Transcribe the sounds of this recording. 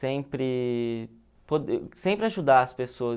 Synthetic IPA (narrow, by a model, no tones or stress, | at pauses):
ẽpɾɪ | pod̪esẽpɾɪaʒud̪aɐspesoɐ